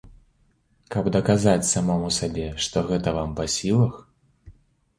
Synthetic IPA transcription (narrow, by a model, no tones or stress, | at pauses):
kɐbd̪ɐkazat͡sʲsamɔmusabʲɛʂt̪ɔɣɛt̪ɐvampɐsʲilˠɐx